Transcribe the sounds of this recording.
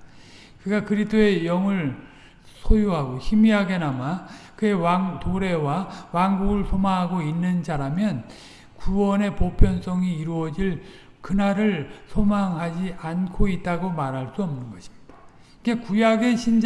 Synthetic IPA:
kɯɡakɯɾisdʰoe̞jʌŋɯɭ | sʰojuɦaɡoçimiɦaɡe̞namakɯe̞waŋtoɾe̞wawaŋɡuɡɯɭsʰomaŋɦaɡoinːɯnd͡ʑaɾamjʌn | kuwʌne̞popʰjʌns͈ʰʌŋiːɾuʌd͡ʑiɭ | kɯnaɾɯɭsʰomaŋɦad͡ʑiankʰoit̚t͈aɡomaɾɦaɭs͈uʌmnɯnɡʌɕʰi̥mid̥a | iɡe̞kujaɡe̞ɕʰind͡ʑ

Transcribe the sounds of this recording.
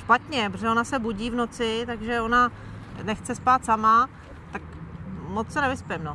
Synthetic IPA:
ʃpat̪ɲɛpɾoʒɛo̞nasɛbuɟiːvno̞t͡sɪt̪aɡʒɛo̞na | nɛxt͡sɛspaːt̪sama | t̪akmot͡ssɛnɛvɪspɛmno

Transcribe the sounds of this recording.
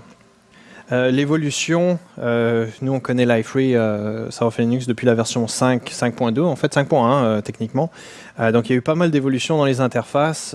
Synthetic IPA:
ølevɔlysjɔ̃ønuɔ̃kɔnɛlajfʁiøsaɔfɛlinyks̬d̪əpɥilavɛʁsjɔ̃sɛ̃ksɛ̃k̚pwɛ̃d̪øɑ̃fɛt̪sɛ̃k̚pwɛ̃ɛ̃øt̪ɛknikmɑ̃ | ød̪ɔ̃kiljaypamald̪evɔlysjɔ̃d̪ɑ̃lezɛ̃t̪ɛʁfas

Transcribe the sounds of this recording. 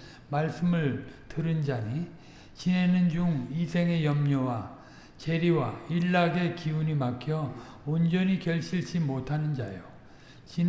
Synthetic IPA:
maɭs͈ɯmɯɭtɯɾɯnd͡ʑaɲi | t͡ɕine̞nɯnd͡ʑuŋisʰe̞ŋe̞jʌmɲʌwa | t͡ɕe̞ɾiwaiɭːaɡe̞kiuɲimakʰjʌ | ond͡ʑʌɲikjʌɭɕ͈ʰiɭt͡ɕ͈imotʰanɯnd͡ʑajo | t͡ɕin

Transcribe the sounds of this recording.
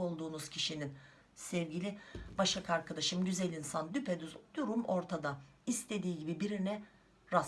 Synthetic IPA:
o̞lˠd̪uːnuz̥cʰiʃinin | sɛvɟilʲibaʃakaɾkʰad̪aʃɯmɟyzɛlʲinsand̪ypʰed̪yzd̪uɾumo̞ɾt̪ʰad̪a | ist̪ʰe̞d̪iːɟibibiɾinɛ | ɾa

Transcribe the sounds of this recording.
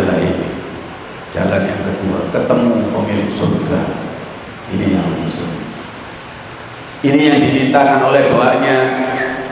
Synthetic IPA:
la̰ḭ | d͡ʒa̰lanjaŋkət̪uua̰kət̪əmupɔmilksurɡa̰ | inijaŋməmisṵŋ | inijaŋdinint̪akanolɛhdoaʔɲa

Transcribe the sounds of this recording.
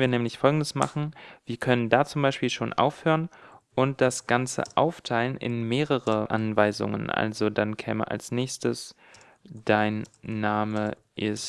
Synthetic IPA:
nviːɐnɛːmlɪçfɔlɡŋ̩dəsma̰χn̩v̥iːɐkʰœnəndaːt͡sʊmbaɪʃpiːlʃoːnʔa̰ʊfhøːʁənʔʊnt̚d̥asɡ̥ant͡sə̰ʔaʊftʰaɪlənʔɪ̰nmeːʁəʁəʔa̰nvaɪzʊ̰ŋə̰nʔa̰lzodankʰɛ̰ːmə̰ʔa̰lsnɛːçstəs | d̥aɪnːaːmə | ʔɪs

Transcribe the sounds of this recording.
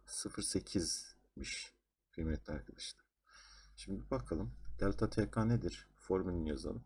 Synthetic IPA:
sɯfɯɾse̞cʰiz | miʃ | kʰilʲmɛt̪ʰʲlʲɛaɾkʰad̪aʃt̪ɯ̥ | ʃimd̪ibakʰalˠɯmd̪̥ɛlʲt̪ʰat̪ʰɛkʰaned̪iɾ̥fo̞ɾmininjaza̰nˠɯ

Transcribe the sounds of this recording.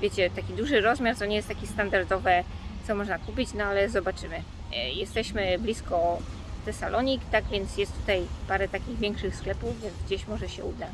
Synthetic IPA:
vʲet͡ɕɛt̪akʲid̪uʐɘɾɔzmʲjaɾt̪ɔɲɛjɛst̪akʲist̪and̪aɾd̪ɔvɛ | t̪sɔmɔʐnakupʲit͡ɕnɔalɛzɔbat͡ʂɘmɘ | jɛst̪ɛɕmɘblʲiskɔ | t̪ɛsalʔɔɲikt̪aɡvʲjɛnt̪sjɛst̪ːut̪ajpaɾɛt̪akʲiɣvʲjɛŋkʂɘxsklɛpuvvʲjɛnzɡd͡ʑeɕmɔʐɛɕɛud̪a

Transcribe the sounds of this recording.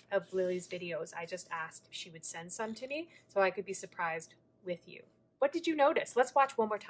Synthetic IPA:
ʔʌvlɪlˠizvɪɾioʊza̰ɪd͡ʒʌstæsk̚tʃiwɨd̥sɛ̃nd̥sʌ̃mtʰɨmisoʊaɪkɨd̚bisə˞pʰɹ̥aɪzd̚ | wɪðjʉ̰ | wʌt̚d̥ɨd͡ʒɨnoʊɾɨslətswɑt͡ʃwʌ̃nmɔɹtʰ

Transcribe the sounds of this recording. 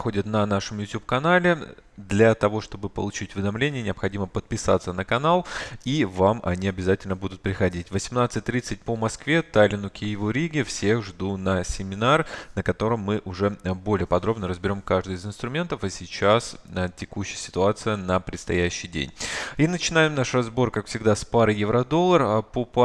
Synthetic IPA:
xo̞dʲɪt̪nɐnaʂəmjʊtʲup̚kɐnalʲɪd̪lʲɐt̪ɐvo̞ʂt̪o̞bɨpə̰lˠʊt͡ɕitʲvʲɪd̪ɐmlʲenʲɪjənʲɪɐpxɐdʲiməpət̪̚pʲɪsa̰t̪sənəkɐnalˠivamʔɐ̰nʲiɐbʲɪzatʲɪlʲnəbud̪ʊt̪̚pɾʲɪxɐdʲitʲvəsʲɪmnat̪sɨt̚ʲt̪ɾʲit̪sɨt̚ʲpəmɐskvʲe̞t̪alʲɪnʊkʲɪjɪvuɾʲiɡʲɪfsʲe̞xʐd̪unəsʲɪmʲɪnarnəkɐt̪o̞ɾəmːɨʔʊʐɛbo̞lʲɪjəpɐd̪ɾo̞bnəɾəzbʲɪɾʲo̞mkaʐd̪ɨjɪzɨnst̪ɾʊmʲe̞nt̪əfɐsʲɪt͡ɕasətʲɪkuɕːɪjəsʲɪ̥t̪ʊat̪sɨjənəpɾʲɪt̪st̪ɐ̰jæɕːɪjdʲḛnʲinət͡ɕɪnajɪmnaʂrɐzbo̞rkakfsʲɪɡd̪aspaɾɨjɪvɾɐd̪o̞lˠːərpop

